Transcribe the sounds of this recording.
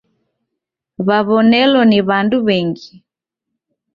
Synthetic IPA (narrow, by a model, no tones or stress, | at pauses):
βaβɔnɛlɔniβanduβɛŋɡi